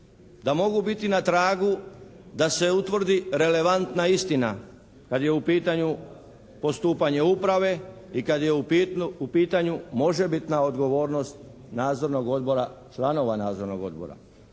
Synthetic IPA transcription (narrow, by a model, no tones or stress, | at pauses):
d̪amo̞ɡubit̪inat̪ɾaːɡud̪ase̞ut̪ʋr̩d̪iɾe̞le̞ʋant̪naist̪ina | kad̪je̞upiːt̪aɲu | po̞st̪uːpaɲe̞upɾaʋe̞ | ikad̪jeuupiːt̪aɲumo̞ʒe̞bit̪nao̞d̪ɡo̞ʋo̞ːɾno̞st̪ | naːd̪zo̞ɾno̞ɡo̞d̪bo̞ɾat͡ʃlˠano̞ʋanaːd̪zo̞ɾno̞̰ɡo̞̰d̪bo̰ɾa̰